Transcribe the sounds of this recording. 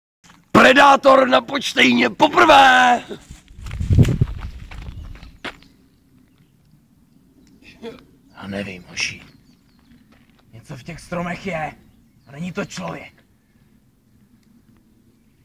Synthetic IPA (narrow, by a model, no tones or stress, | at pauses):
pɾɛdaːt̪o̞ɾnapot͡ʃt̪ɛjɲɛpopr̩vɛː | jaːnɛvḭmoʃḭ | ɲɛt͡sofcɛxst̪ɾomɛxjɛnɛɲit̪ot͡ʃlovjɛk